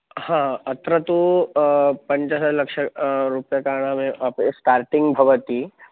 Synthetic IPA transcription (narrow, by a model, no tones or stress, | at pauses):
hãɐt̪ɾət̪u | pəɲt͡ɕasalɐkʂəɾupjəkaɾɳ̃amẽʔəpesʈaːɾʈiŋɡbʱɐʋət̪i